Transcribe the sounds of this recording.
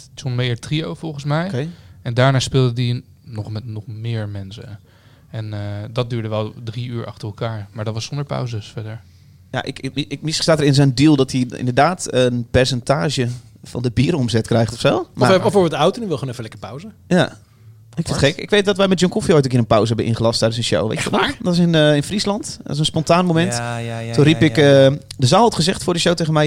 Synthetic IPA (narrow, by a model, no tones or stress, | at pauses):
sonmeːətriowfɔlˠχənsmɛjkɛndaːɹnaːspɪːlˠdədi | nɔχmɛtnɔχmɪːɹmɛnsə̰ | ɛndɑt̚dyːɹdəʋɛlˠdriyːɹʔɑ̰χtərɛlˠkaːɹmaːɹdɔtʋɑsɔndəɹpa̰wzəsfɛdəɹ | ja̰ʔɪkkmisə̥staːtəɾɪnsɛjndilˠdɔtiɪ̰ndəɹdaːtənpɛɹsɛntaːʒə | fɔ̰ndəbiːɾɔmzɛtkrɛjχtɔfsoːmaɔfoːɹbɪlˠdəawtonyʋɪlˠχoːnɛfəlɛkəpawzəja | ɪkfɪntχɛkɪ̰kʋejt̚dɔtʋɛjmɛt̚jɔŋkofiojtːkiːɾə̃npawzəɦɛbənʔɪ̰nχəlɑstːɛjdənsənʃo̰wʋḛt͡ʃətɔdɔtɪsɪnɪnfrislɑntdɔ̰tɪs̬ənspɔntaːnmomɛnttunripɪkədəzaːlˠɔtχəzɛχtfʊːɹdəʃowteɣənmɛj